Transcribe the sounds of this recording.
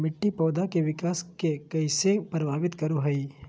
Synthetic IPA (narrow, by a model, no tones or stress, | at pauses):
mɪʈːipɔːd̪akeʋɪkaːskekɐɪsepɾəbʱaːʋɪt̪kɐɾuɦɐi